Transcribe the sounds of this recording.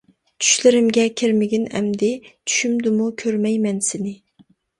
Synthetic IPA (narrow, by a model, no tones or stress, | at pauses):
t͡ʃʰy̥ʃlɪɾɪmɡʲɛkʲʰɪɾmɪɡʲinɛ̰md̪ɪt͡ʃʰy̥ʃymd̪umukʲʰøɾmɛjmɛnsɪnɪ